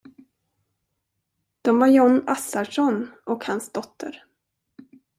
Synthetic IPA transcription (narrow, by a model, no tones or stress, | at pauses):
d̪̥ɔmvaɾjɔnːasaʂɔnʔɔkhansd̪ɔt̪ʰːə̰ɾ